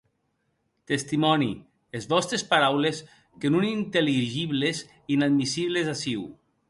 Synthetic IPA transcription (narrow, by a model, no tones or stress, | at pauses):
t̪est̪imɔnḭ | ezβɔst̪ɾespaɾawles | kenunint̪eliʒiβlez | inad̪misiβlezasiw